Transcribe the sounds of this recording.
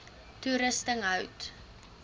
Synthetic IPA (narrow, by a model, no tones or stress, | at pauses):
tuɾəstəŋɦœwt